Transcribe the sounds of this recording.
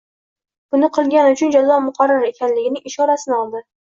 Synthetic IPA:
b̥ʊnɪqʰɨlˠɡʲanɪʊt͡ʃʰʊnd͡ʒalːɒmʊqʰɑɾːaɾe̞kʲʰanlɪɡʲɪnɪŋɪʃɒɾasɪnɪɒlˠd̪ɪ

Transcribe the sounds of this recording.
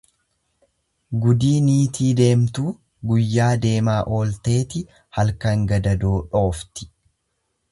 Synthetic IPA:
ɡʊd̪iːniːt̪ʰiːd̪e̞ːmt̪uː | ɡʊjːaːd̪e̞ːmaːʔo̞ːlt̪e̞ːt̪ɪ | hɐlkɐŋɡɐd̪ɐd̪oːᶑo̞ːft̪ɪ̥

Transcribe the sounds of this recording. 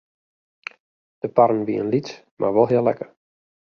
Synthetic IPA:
d̥əpaɾən̩ʋiə̰nlit | mʔa̰rʋɔlˠɦɪəlɛ̰kər

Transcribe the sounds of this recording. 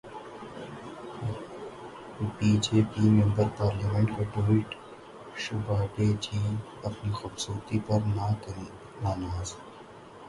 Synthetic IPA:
piːd͡ʒeːpiːmẽmbəɾpaːɾlaːmẽɳʈkaɖoːɪʈ | ʃʊbaːʈeːd͡ʒiːn | ɐpnixʊbsuːɾt̪ipɐɾnakː | naːnaːz

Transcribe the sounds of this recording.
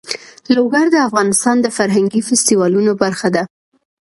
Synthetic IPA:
loɡaɾd̪əafɣɑnɪst̪ɑnd̪əfaɾɦaŋɡifɪst̪iwɑlunobaɾxad̪a

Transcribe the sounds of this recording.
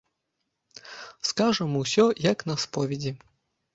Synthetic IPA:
skaʐɛmɔwsʲɔjɐknɐspɔʋʲidʲi

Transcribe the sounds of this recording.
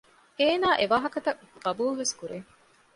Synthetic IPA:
eːnaːʔeʋaːɦɐkɐt̪ɐ | ɡɐbuːlʋeskuɾe

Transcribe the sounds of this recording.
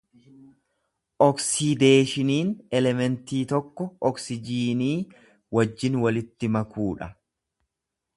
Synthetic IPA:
ʔɔksid̪eːʃɪniːnɛlɛmɛnt̪iːt̪ɔkːɔɔksɪd͡ʒiːniː | wɐd͡ʒːɪnwɐlɪt̪ːɪmɐkuːᶑɐ

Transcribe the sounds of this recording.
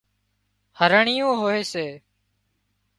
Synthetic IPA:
həɾəɳɪjõːɦoːeːseː

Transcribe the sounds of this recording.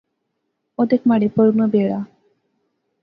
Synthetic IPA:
od̪ekmɐɖipoɾunubeːɭaː

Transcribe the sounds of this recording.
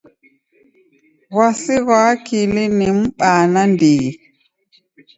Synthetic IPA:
wasiɣaːkilinimɓaːnandiː

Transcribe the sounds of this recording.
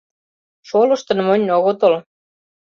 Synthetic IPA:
ʃolɤ̆ʃt̪ɤ̆nmonʲnoɣot̪ol

